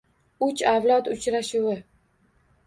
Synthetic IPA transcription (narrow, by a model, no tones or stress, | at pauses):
ʊt͡ʃʰavlˠɒt̪ʊt͡ʃɾaʃʊwɪ